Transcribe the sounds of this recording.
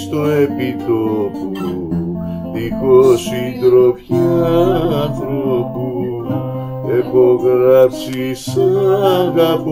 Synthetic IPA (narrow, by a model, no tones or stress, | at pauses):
st̪oepit̪opu | ikosind̪ɾopça | θɾopu | epoɣɾɐpsisɐɣɐp